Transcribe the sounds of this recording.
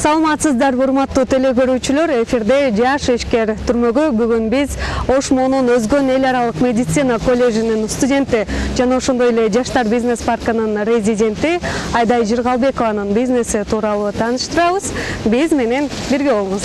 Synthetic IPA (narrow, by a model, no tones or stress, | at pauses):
sɑlˠɑmɑt̪sɯzd̪ɑɾuɾmɑt̪ːuːt̪ʰe̞le̞ɡø̞ɾyːt͡ʃylø̞ɾe̞fʲiɾd̪e̞d͡ʒɑʃiʃke̞ɾt̪ʰyɾmø̞ɡybyɡynbizo̞ʃmo̞nunø̞zɡø̞ne̞lʲɑɾɑlˠɯqmʲe̞dʲɪt̪sɨnako̞lʲːe̞ɡʒininst̪udʲe̞nt̪id͡ʒɑnɑoʃo̞nd̪o̞je̞le̞d͡ʒɑʃt̪ɑɾbʲizne̞spɑrkɯnɯnrʲezʲidʲe̞nt̪iɑjd̪ɑjd͡ʒiɾʁɑlˠbe̞ko̞vɑnɯnbʲizne̞sit̪ʰuːɾɑlˠuːt̪ʰɑːnɯʃt̪ɯɾɑʋɯz̥bizme̞ne̞n | biɾɡʲe̞βoɴuz